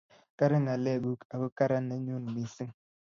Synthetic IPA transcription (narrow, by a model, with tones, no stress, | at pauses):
ka˦ɾa˦ŋa˨le˦˨ɡu˦ka˨bu˦ka˦ɾa˦ne˨˦ɲu˦n˨mi˨si˦ŋ